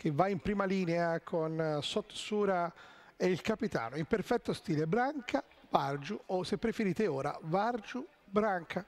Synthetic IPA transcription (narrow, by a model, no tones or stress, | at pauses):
k̟ʰevːaimpɾiːmaliːneakʰonsot̪ːsuːɾa | eilkapit̪a̰ːnoimperfɛt̪ːost̪iːlebɾaŋkʰa | vard͡ʒuosepːɾefeɾiːt̪eoːɾa̰vard͡ʒu | bɾaŋkʰa